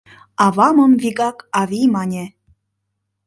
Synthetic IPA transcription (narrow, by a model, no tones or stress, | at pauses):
ɑvɑməmviɣɑkɑvʲimɑnʲe